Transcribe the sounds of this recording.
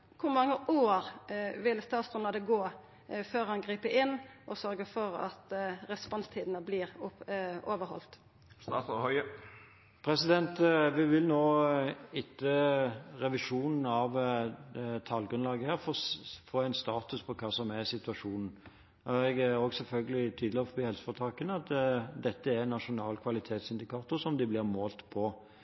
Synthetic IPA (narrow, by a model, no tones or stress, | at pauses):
kʰʊɾmɑŋːəʔoːɾʋɪlst̪ɑːt̪sd̪ɔnlɑd̪əɡoː | føːɾhɑnɡɾiːpəʔɪnːʔɔsœɾɡəfɔɾɑ̰t̪ɾɛspɔnst̪ʰiːd̪ənəblɪːʁ | oːʋəɾhɔ̰lt̪ | st̪ɑɔhœʏ | pʰɾɛsɪd̪ɛnt̪ʋɪʋɪlnoːɪt̪ʰːəʁɛʋɪʂuːnn̩ɑʋ | t̪ʰɑlɡɾʉnlɑːɡəhæːʁfɔfoːɛɪnst̪ɑːt̪ʉspʰɔkʰɑːsɔmɛsɪt̪ʉɑʂuːnn̩ | ɛɡɾɔɡsɛlfœlɡəlɪt̪ʰyːd̪lɪɔfɔbiːhɛlsə̥fɔt̪ʰɑːkənəɑt̪d̪ɛt̪ːəæɾnːɑʂʊnɑːlkʰʋɑlɪt̪ʰeːt̪sɪnd̪ɪkɑːt̪ʊɾsɔmd̪ɪblɪʁmoːlt̪pʰɔ